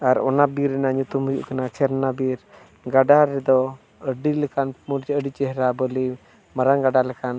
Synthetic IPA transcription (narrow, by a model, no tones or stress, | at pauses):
aɾɔ̰nabiɾɛnaɲut̪umɦujṵʔkanat͡ʃʰɛɾnabiɾ | ɡaɖaɾɛd̪ɔ | əɖilɛkanmuɾt͡ʃɛəɖit͡ʃɛɦɾabɔli | maɾanɡaɖalɛkan